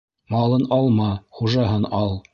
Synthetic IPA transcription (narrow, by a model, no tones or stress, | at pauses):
mɑlˠɤnɑlˠmɑχuʒɑɦɤnɑlˠ